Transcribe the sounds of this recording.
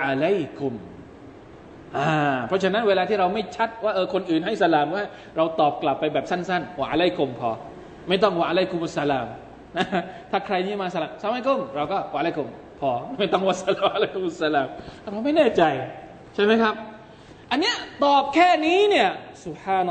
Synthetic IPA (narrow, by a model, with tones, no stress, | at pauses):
a˧la˦˥˩jkʰu˨˧m | ʔaː˧˩pʰɾɔ˦˥t͡ɕʰa˧na˦˥nweː˧laː˧t̪ʰiː˥˩ɾa˧wma˥˩jt͡ɕʰa˦˥t̪̚waː˥˩ʔɤː˧kʰo˧nʔɯː˨˩nɦa˥˩jsa˧laː˨˩mwaː˥˩ | ɾa˧wt̪ɔː˨˩p̚kla˨˩pːa˧jbɛː˨˩p̚sa˥˩nsa˥˩nwa˧ʔa˧la˦˥˩jkʰo˧mpʰɔː˧ | ma˥˩jt̪ɔ˥˩ŋwaː˧ʔa˧la˥˩ku˧˨mʔa˧sːa˧laː˧m | na˦˥t̪ʰaː˥˩kʰɾa˧jniː˥˩˨maː˧sa˧laː˨˩msa˧˥mha˥˩jko˧˥˩mɾa˧wkɔː˥˩wa˧˨˧la˥˩kʰo˧m | pʰɔː˧ma˥˩jt̪ɔ˥˩ŋwaː˥˧˩sa˧laː˧˩mʔa˧la˦˥˩jku˧˦mʔsːa˧laː˧ma˧˩pʰɔː˧˦ma˥˩jnɛː˥˩t͡ɕa˧j | t͡ɕʰa˥˩jma˦˥jkʰɾa˦˥p̚ | ʔa˧nːi˦˥ɐt̪ɔː˨˩p̚kʰɛː˥˩niː˦˥ni˥˩ɐsu˨p̚ħaː˧n